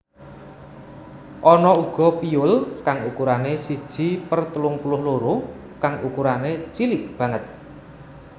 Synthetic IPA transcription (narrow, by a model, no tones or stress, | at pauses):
ʔɔnɔuɡ̥ɔ̤piʊlkaŋukuɾanesid̥ʒ̥i̤pərt̪əlʊŋpulʊhloɾʊ | kaŋukuɾanet͡ʃilɪk̚b̥ä̤ŋət̪̚